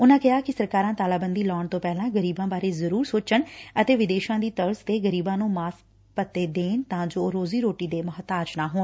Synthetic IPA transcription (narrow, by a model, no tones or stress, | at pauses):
ʊnãːkɪɦaːkɪsəɾkaːɾãːt̪aːlaːbənd̪iːlɔːɳt̪õːpɛːlãːɡəɾiːbãːbaːɾeːzəɾuːɾsoːt͡ʃəɳət̪eːʋɪd̪eːʃãːd̪iːt̪əɾst̪eːɡəɾiːbãːnũːmaːs | pət̪ːeːd̪eːnt̪ãːd͡ʒoːɾoːziːɾoːʈiːd̪eːməɦət̪aːt͡ʃnaːɦoːn